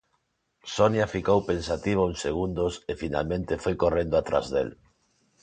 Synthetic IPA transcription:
sonjafikowpensat̪iβ̞aunseɣund̪osefina̰lmẽnt̪ɪfojkorẽnd̪oat̪ɾa̰zðḛl

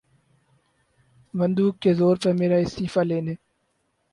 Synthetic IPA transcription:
ʋə̃nd̪uːkːezoːɾpɐɾmeːɾaːɪst̪iːfaːleːneː

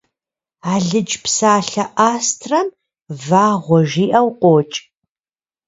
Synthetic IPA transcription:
aːɮɨd͡ʒʼpsaːɬɐʔaːstʰrɐm | vaːʁʷɔʒiːʔɐwqʷʼoːt͡ʃʼ

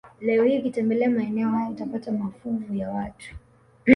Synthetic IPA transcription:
lɛɔhikitɛmbɛlɛamaɛnɛɔhajɔutapatamafuvujawatʰu̥

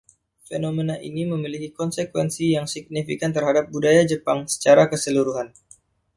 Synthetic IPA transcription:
fḛnomenaʔḭniməmilikikɔnsəkwɛnsijaŋsiɡ̚nifḭkant̪ərɦadap̚budajad͡ʒəpaŋsə̥t͡ʃaɾakəsəluɾuɦan

